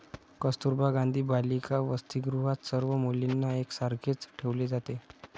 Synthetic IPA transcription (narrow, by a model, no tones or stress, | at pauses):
kəst̪uɾbaɡand̪ʱiːbalikaʋəst̪iɡɾuɦat̪səɾʋəmolinːaeksaɾɡʱet͡sʈʰeʋled͡zat̪e